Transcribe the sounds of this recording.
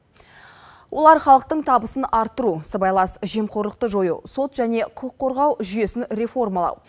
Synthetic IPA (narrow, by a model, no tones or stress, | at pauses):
wʔo̞lˠɑɾχɑlˠəq̚t̪əɴt̪ʰɑbəsənɑɾt̪ːəɾusəbɑjlˠɑsʒe̞mqʰo̞ɾlˠəq̚t̪əʒo̞jṵso̞t̪ʒæne̞qʰʊqʰːo̞ɾʁɑwʒʏje̞sɪnɾe̞fo̞rmɑlˠɑ̰w